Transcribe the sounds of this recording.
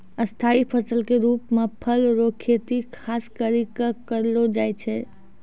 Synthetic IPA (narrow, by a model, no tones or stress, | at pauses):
əst̪ʰaipʰəsəlkeɾuːpmepʰəlɾokʰet̪ikʰaskəɾikəkəɾlod͡ʒajt͡ʃʰɛ